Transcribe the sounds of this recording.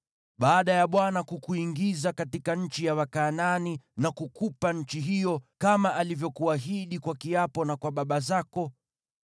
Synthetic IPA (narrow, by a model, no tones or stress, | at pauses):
ɓaːɗajaɓwanakukuiŋɡizakatikaɲ̩t͡ʃijawakaːnaninakukupaɲ̩t͡ʃiɦijɔkamaʔalivjɔkuaɦiɗikwakiapɔnakwaɓaɓazakɔ